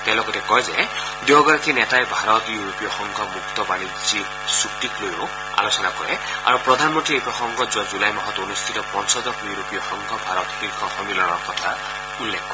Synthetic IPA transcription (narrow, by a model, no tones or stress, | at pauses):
t̪ɛ̃lɔɡɔtekɔjze | djɔɡɔɾakʰinɛtaebʱaɾɔt̪juɾopijɔxɔŋkʰɔmukt̪ɔbanid͡zi | suʈiklojo | a̰losɔnakɔɹɛa̰ɾupɹɔd̪ʱanmɔnt̪ɾiejpɹɔxɔŋɡɔzuwazulajmɔɦɔt̪ɔonust̪ʰitɔpɔnsɔzɔkjuɾopijɔxɔŋkʰɔbʱaɾɔt̪xilkʰɔxɔnilɔnɔɾkɔt̪ʰa | ulːekʰːɔ